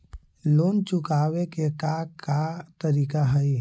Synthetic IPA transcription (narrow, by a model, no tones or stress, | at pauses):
loːnt͡ʃʊkaːwekekakat̪əɾiːkaɦəi